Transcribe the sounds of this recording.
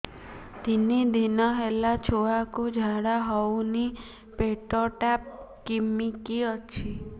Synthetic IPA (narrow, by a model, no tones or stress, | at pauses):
t̪inid̪inɔɦelat͡ʃʰoakud͡ʒʱaɽaɦɔwni | peʈɔʈap̚kimikiɔt͡ʃʰi